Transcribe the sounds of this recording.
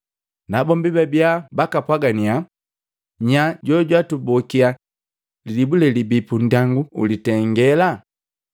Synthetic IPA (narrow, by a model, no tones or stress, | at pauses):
nabɔmbibɛbjabakapwaɡania | ɲaɟɔɟwatubɔkia | lilibulɛlibipun̩daŋɡuṵlitɛŋɡɛla